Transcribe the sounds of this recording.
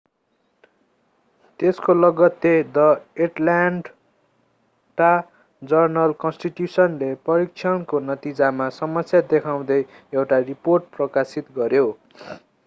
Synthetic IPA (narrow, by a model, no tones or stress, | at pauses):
t̪eskolʌɡʌt̪jed̪ʌeʈlaɖ | ʈa | d͡zʌrnʌlkʌnsʈiʈjusʌnleprʌɾik̚t͡sʰʌnkonʌt̪id͡zamasʌmʌsjad̪ekʰaw̃d̪ʌj | ewʈariporʈ̚prʌkasit̪ɡʌɾjo